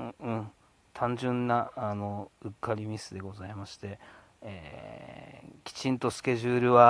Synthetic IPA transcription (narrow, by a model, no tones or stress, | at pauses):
ɯ̟̃ | t̪ʰãɲd͡ʑɨ̃nːaːno̞ɯ̟kːaɾʲimʲisɨd̪e̞ɡo̞zaimaɕi̥t̪e̞ | eː | kʲi̥t͡ɕĩnt̪o̞sɨ̥kʲe̞ʑɨːɾɯ̟βa